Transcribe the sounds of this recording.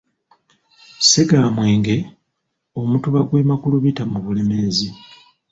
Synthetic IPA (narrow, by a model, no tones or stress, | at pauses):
seɡaːmwe̞ːŋɡe̞ | omutuβaɡwemakuluβitamuβule̞me̞zi